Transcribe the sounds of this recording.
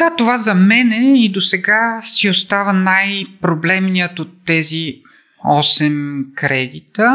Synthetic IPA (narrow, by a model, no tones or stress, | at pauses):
d̪̥at̪ovazɐmɛnɛid̪osɛɡasiost̪avənajpɾoblɛmnijət̪ot̪ːɛzi | ɔsɛmkɾɛd̪it̪ə